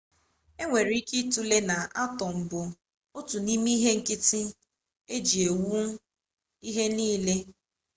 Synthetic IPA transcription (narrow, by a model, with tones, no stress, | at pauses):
e˦ŋʷe˨ɾi˦ki˦tu˦le˦na˨ʔa˦tɔ˨m̩˨bʊ˨ | o˦tu˨ni˦mi˦ɦe˦ŋ̩˨kɪ˦tɪ˦ | e˦d͡ʒi˨e˨wu˦ | i˦ɦe˦niː˦le˦